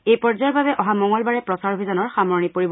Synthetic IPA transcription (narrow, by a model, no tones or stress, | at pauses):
ejpɔɹzajɔɹbabɛʔɔɦamɔŋɡɔlbaɹɛpɹɔsaɹɦejzanɔɹxamɔɹnipoɹibɔ